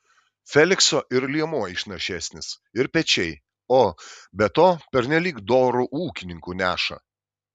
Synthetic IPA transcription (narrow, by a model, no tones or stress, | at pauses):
fʲɛlʲɪksoːʔɪɾlʲiɛmuɔɪʃnɐʃʲæːsʲnʲɪs | ɪɾpʲɛt͡ʃʲɛɪ | oːbʲɛt̪oːpʲɛɾʲnʲɛlʲiːkd̪oːɾuʔuːkʲɪnʲɪŋkuːnʲæːʃɐ̰